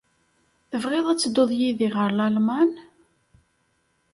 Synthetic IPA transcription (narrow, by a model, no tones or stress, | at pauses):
θəvʁɪðˤæt͡sːəd̪oðˤjiðiʁəɾlælman